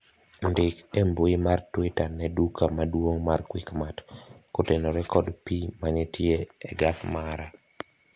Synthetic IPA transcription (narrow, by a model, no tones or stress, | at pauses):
ndɪkembuɪmartwɪtanɛdukamadwoŋmarkwikmatkotenoɾɛkɔdpimanɛtjeɛɡafmaɾa